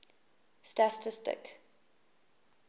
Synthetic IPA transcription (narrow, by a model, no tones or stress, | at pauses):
statɪstɪ̰k